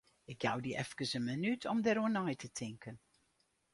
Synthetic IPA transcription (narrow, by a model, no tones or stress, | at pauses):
ɪkja̰wdiʔɛ̰fkəsənmənytʰɔmdəɾoənɔjtʰətʰɪŋkən